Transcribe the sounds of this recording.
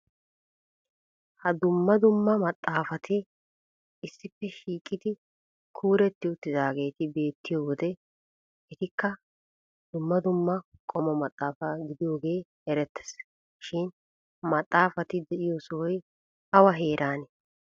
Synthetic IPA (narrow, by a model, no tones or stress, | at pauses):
hɐd̪ʊmːɐd̪ʊmːɐmɐt̪ʼːaːfɐt̪ɪ | ɪsːɪpːɛʃiːkʼːɪd̪ɪ | kʰuːɾɛt̪ːɪʊt̪ːɪzaːɡe̞ːt̪ɪbe̞ːt̪ːɪjoːwɔd̪ɛ | ɛt̪ɪkːɐ | d̪̥ʊmːɐd̪ʊmːɐkʼɔmɔmɐt̪ʼːaːfɐɡɪd̪ɪjo̞ːɡe̞ːhɛɾɛt̪ːɛ̥s | ʃɪn | mɐt̪ʼːaːfɐt̪ɪd̪ɛʔɪjosɔwɔj | ɐwɐɦe̞ːɾʔaːnɛ